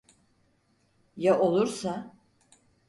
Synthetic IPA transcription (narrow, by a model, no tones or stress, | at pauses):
jaʔo̞lˠuɾsa